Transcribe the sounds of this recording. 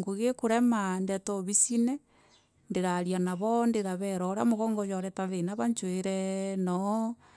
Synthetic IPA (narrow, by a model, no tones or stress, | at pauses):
ŋɡoɣekoɾɛmandɛtoβisinɛ | ndeɾaɾjanaβɔndeɾaβɛɾɔɾa̰moɣɔŋɡojɔɾɛtaβenaβaɲt͡ʃweɾɛnɔ